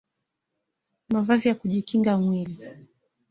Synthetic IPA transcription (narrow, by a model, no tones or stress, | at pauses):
mavazijakuʄikiŋɡamwili